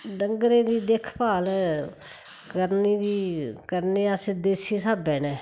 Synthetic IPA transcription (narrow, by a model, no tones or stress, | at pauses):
nəŋɡɾẽːd̪iːd̪eːkʰpaːl | kəɾniːd̪iːkəɾneːased̪eːsiːsaːbɛːnɛː